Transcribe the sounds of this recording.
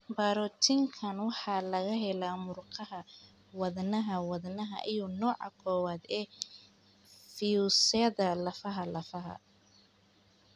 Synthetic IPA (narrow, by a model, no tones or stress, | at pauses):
baɾɔt̪ʰɪŋkʰɐnwɑħɑːlɐɣɐɦɛlaːmʊrqʰɑɦɐ | wɐðnɐɦɐwɐðnɐɦɐ̰ʔijɔnɔːʕɑ̰kʰɔːwaːd̪ɛː | fiusɛɐðɐlɐfɐɦɐlɐfɐɦɐ̰